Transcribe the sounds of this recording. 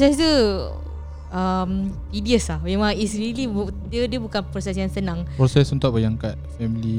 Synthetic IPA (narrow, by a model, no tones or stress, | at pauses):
pɾosɛst̪u | əmt̪idiəslahmemãŋisɾilibudiədəbukanpɾosɛs̬jaŋsənãŋpɾɔsɛsunt̪ʊʔbəjaŋkat̪̚fɛmili